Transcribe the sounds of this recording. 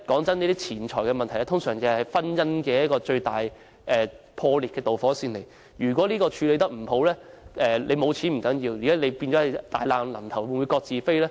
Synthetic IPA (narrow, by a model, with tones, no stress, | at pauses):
kɔː˨˥ŋt͡sɐ˥niː˥t̪iː˥t͡sʰiː˨˩nt͡ʃʰɔː˨˩jkɛː˧mɐ˨nt̪ʰɐ˨˩jɛ˥t̪ʰʊ˥ŋsœː˨˩ŋjɐ˨˩hɐ˨˩jfɐ˥njɐ˥nkɛː˧jɐ˥kɔː˧t͡ʃɵ˧ɥt̪aː˨˩j | ʔɛː˨ | pʰɔː˧liː˨t̚kɛː˧t̪o˨wfɔː˨˥siː˧nle˨˩j | jyː˨˩kwɔː˨˥liː˥kɔː˧t͡ʃʰyː˨˧le˨˧jt̪ɐ˥k̚m̩˨˩ho˨˥wlɛː˥ | ʔɛː˨lʔe˨˧jmo˨˧wt͡sʰiː˨˥nm̩˨˩kɐ˨˥njiː˧wjiː˨˩a˨˥le˨˧jpi˧nt͡ʃɔ˨˥hɐ˨jt̪a̰ː˨jlaː˨˧ŋlɐ˨˩mt̪ʰɐ˨˩wwnwu˨˧jkɔː˧k̚t͡siː˨˧fe˥jlɛː˥